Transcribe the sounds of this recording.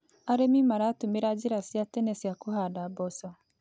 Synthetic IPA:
aɾemimaɾaːtumeɾad͡ʒiɾasjatɛnesjakuhadabɔsɔ

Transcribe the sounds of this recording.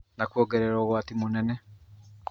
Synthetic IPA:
nakuoːɡɛɾeɾɔːɣwaːtimonɛnɛ

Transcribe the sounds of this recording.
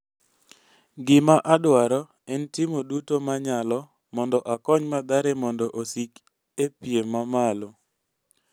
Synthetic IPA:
ɡɪmaʔadwaɾɔ | ɛntɪmodutomaɲalɔ | mɔndɔʔakɔɲmad̪aɾemɔndɔʔosik | epjemamalo

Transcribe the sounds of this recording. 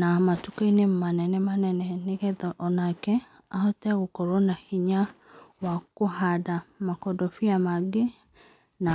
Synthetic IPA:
namatukainemmanɛnɛmanɛnɛneɣɛðɔʔɔnakɛ | ahɔtɛɣokɔɾɔnahiɲa | wakohadamakɔdɔfiamaɡe | na

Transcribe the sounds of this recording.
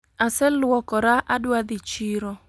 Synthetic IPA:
asɛlwɔkɔɾaʔadwad̪ɪt͡ʃiɾɔ

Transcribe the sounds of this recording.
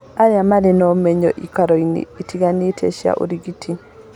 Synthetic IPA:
aɾjamalinɔmeɲɔʔikaɾoinḭːtʰiɡanitʰɛ̰ʃia̰ʔṵɾiɡitʰi

